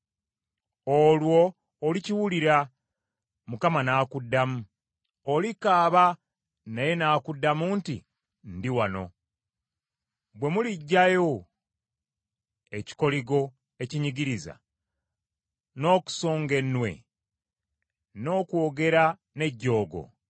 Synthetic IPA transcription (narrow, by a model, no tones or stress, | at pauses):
olwo̞ː | liciwuliɾa | mukamanaːkudːamu | olikaːβa | naje̞naːkudːamuntḭ | ndiwano̞̰ | bwe̞muliɟːajo̞ | e̞ci̥ko̞liɡo̞ | e̞ciɲiɡiɾiza̰ | no̞ːku̥so̞ːŋɡe̞nːwe̞̰ | no̞ːkwo̞ːɡe̞ɾa | ne̞ɟːo̞ːɡo̞̰